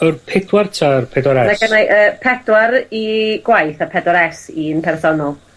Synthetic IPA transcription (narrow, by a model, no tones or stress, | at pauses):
ərpʰɪdwartʰarpʰɛdwaɾɛnaɡənaʔəːpʰɛdwaɾiɡ̥wajθapʰɛdwaɾɛsinpʰɛrθɔnɔlˠ